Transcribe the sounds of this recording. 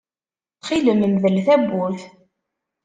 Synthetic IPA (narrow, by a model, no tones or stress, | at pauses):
θχiləməmðəlθæbːuθ